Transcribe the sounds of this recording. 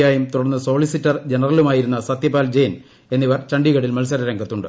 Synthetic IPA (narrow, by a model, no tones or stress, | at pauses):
jaːjumt̪uɽɐnːɨso̞ːlisitːɐrd͡ʑe̞nɐrɐlumaːjiɾunːɐsɐt̪jɐpːaːld͡ʑejn | e̞nːiʋɐrt͡ɕɐɳɖiɣɐɽilmɐlsɐɾɐɾɐŋɡʱɐt̪ːuɳɖɨ